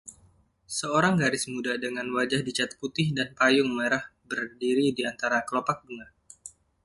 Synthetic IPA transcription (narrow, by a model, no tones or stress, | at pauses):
səoɾaŋɡaɾɪsmudadəŋanwad͡ʒahdit͡ʃat̪̚put̪ɪhdanpajʊŋmeɾahbərdiɾidiant̪aɾakəlopak̚bəŋar